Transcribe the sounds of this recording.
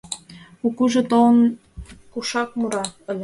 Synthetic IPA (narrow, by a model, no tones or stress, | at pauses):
ukuʒĕt̪oln | kuʃɑk̚muɾɑə̆lʲ